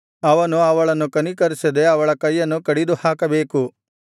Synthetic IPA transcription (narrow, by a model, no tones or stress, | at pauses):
ɐʋɐnuɐʋɐɭɐnukɐnikɐɾsɐd̪eɐʋɐɭɐkɐjːɐnukɐɽid̪uhaːkɐbeːku